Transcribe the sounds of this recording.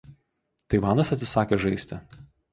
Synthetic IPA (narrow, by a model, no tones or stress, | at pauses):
t̪ɐɪʋɑːnɐsɐt̪ʲsʲɪsɑːkʲeʒɐɪsʲt̪ʲɪ